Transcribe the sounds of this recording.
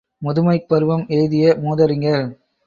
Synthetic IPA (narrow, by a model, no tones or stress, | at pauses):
mʊðɯmɐɪpːɐɾɯʋɐmeːðɪjɐmuːðɐɾɪŋɡɐɭ